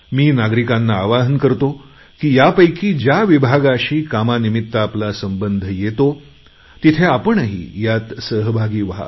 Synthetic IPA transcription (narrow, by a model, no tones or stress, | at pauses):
miːnaɡɾikãnːaːʋaɦənkəɾt̪o | kiːjapəjkiːd͡ʑjaʋibʱaɡaɕiːkamanimit̪ːəaplasəmbənd̪ʱjet̪o | t̪it̪ʰeapəɳəɦḭːjat̪səɦbʱaɡiːʋɦa̰